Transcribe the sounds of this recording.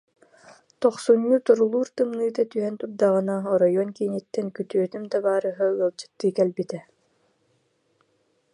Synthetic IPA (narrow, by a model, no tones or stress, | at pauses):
t̪ɔχsuɲːut̪ɔɾulˠuːɾt̪ɯmnɯːt̪at̪yɦɛnt̪up̚d̪aʁɯnaɔɾɔjɔnkinit̪ːɛnkyt̪yœt̪ymd̪abaːɾɯɦaɯɐlˠt͡ɕɯ̥t̪ːɯːkɛlbit̪ɛ